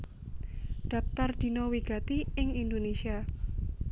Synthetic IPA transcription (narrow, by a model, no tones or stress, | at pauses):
ɖ̪̥ä̤p̚t̪ard̪̥i̤nowiɡ̥a̤t̪iɪŋind̪onesia